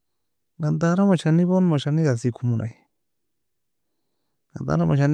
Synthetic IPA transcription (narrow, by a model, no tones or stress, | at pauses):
ɡand̪aɾamãʃanĩβonmãʃanĩɣasikumũnʔa̰j | ɡand̪a̰ɾamãʃ̬an